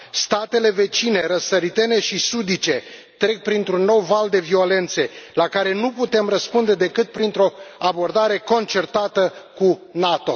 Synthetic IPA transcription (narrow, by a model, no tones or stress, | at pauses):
st̪at̪e̞le̞ve̞t͡ʃine̞ɾəsəɾit̪e̞ne̞ʃisud̪it͡ʃe̞t̪ɾe̞k̚pɾint̪ɾunːo̞wvald̪e̞vio̞le̞nt̪se̞lakaɾe̞nuput̪e̞mrəspund̪e̞d̪e̞kɨt̪̚pɾint̪ɾo̞abo̞rd̪aɾe̞ko̞nt͡ʃe̞rt̪at̪əkunat̪o̞